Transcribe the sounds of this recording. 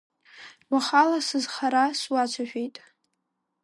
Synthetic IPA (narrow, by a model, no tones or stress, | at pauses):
waχalasɨzχaɾaswat͡ʃʷʰaʃᶣejtʼ